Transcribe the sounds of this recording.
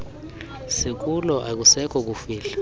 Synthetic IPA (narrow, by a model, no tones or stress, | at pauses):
sik̬ulɔʔak̬usɛkʰɔk̬ufiːla